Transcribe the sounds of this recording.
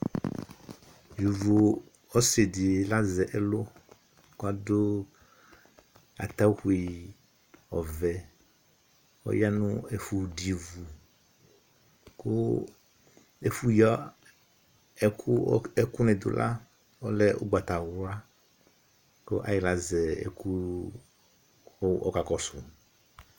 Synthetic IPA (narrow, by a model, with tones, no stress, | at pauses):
vi˨vu˨ | ɔ˦se˨d̪i˨la˦zɛ˨ʔɛ˦lo˦ | ko˦a˨do˦ | a̰˨t̪a˦wxu˨˦i˨ | ɔ˨vɛ˨ | wo̰˦ja˦nṵ̃˦e˨fu˨di˨vu˨ | ku˦ | e˨fu˦jɔ˦ | ɛ˨kʰu˦e˦ku˦nɛ̃˨d̪o̰˨lʔa̰˦ | wo˦lɛ˦ʔo̰˦ɡ͡ba˨t̪a˨wa˦ | ko̰˦ʔa˨ji˨la˨zɛ˨ḛ˨ku˦ | o̰˦ka˨kɔ˦su˨